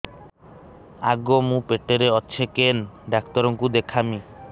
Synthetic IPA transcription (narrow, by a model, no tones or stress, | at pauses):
a̰ɡomũpeʈːeɾeɔtːɕʰekenɖakt̪ɔɾɔŋkud̪ekʰami